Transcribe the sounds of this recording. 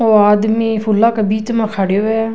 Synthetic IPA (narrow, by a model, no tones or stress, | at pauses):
oːaːd̪mĩːpʰʊlːaːkəbiːt̪mãkʰaːɽeːoɛ